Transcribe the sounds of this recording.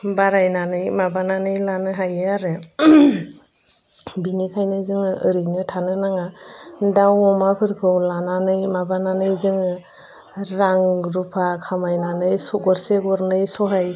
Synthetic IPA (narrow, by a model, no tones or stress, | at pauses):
baɾajnanɯjmabananɯjlanɯɦajaɾɯ | binikʰajnɯzɯŋɯɯɾɯnɯtʰanɯnaŋadawɔmapʰɯɾkʰɯwlananɯjmabananɯjzɯŋɯ | ɾaŋɡɾupʰakʰamajnanɯjsɔɡɔɾseɡɔɾnɯjsɔɦaj